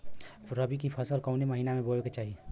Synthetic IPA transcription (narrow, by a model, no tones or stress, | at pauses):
ɾɐbikipʰɐsəlkɐːnemɐɦiːnamẽboːlket͡ʃaːɦie